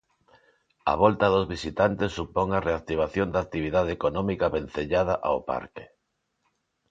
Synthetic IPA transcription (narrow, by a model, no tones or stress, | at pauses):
a̰βɔlt̪ɐðozβisit̪ant̪esːupɔŋareak̚t̪iβ̞aθjond̪ak̚t̪iβ̞iðaðeekonɔ̃mikaβen̟θeʎað̞aʔa̰opa̰ɾkɪ̥